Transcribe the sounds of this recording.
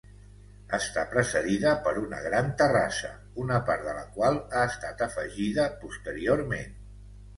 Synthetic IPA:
əst̪apɾəsəðiðəpəɾunə̰ɣɾant̪əra̰sə̰ | unəpaɾðələkwalˠaəst̪at̪əfəʒiðəpust̪əɾioɾmḛn

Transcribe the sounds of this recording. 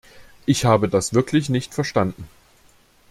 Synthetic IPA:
ʔɪçhaːbədasv̥ɪɐkʰlɪçnɪçtfɛɐʃtandn̩

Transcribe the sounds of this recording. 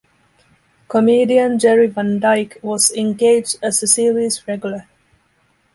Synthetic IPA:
kʰəmeːdiə̃nd͡ʒɛɹivə̃ndaɪkwɔzɛ̃nɡeɪd͡ʒdəzɪsilizɹɛɡjʊlə

